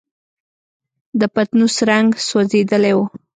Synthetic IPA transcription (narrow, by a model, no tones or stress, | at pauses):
d̪əpat̪nusɾaŋɡsozed̪əlewo